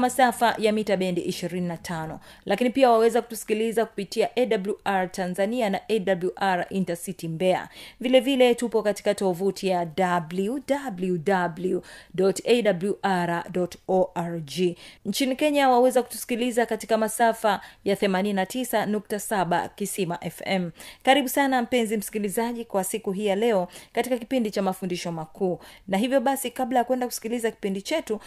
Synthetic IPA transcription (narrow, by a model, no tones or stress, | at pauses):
masafajamitaɓɛndiʔiʃiɾininatʰanɔ | lʔakinipiawawɛzaku̥tu̥si̥kilizaku̥pitiaʔɛɗabluʔaɾtanzanianaʔɛdabluʔaɾaʔintasitimbɛa̰vilɛvilɛtupɔkati̥katɔvutʰijadabludabludabludɔtɛɗabluʔaɾadɔtɔʔaɾd͡ʒint͡ʃinikɛɲawawɛzaku̥tu̥si̥kilizakatikamasafajaθɛmaninatisanuk̚tasaɓa̰kisimaʔɛfɛmkaɾiɓusanam̩pɛnzim̩si̥kilizaʄikwasikuɦijalɛɔkatikakipindit͡ʃamafundiʃɔmakʰuːnaɦivjɔɓasikaɓlajakwɛndaku̥si̥kilizaki̥pindit͡ʃɛtu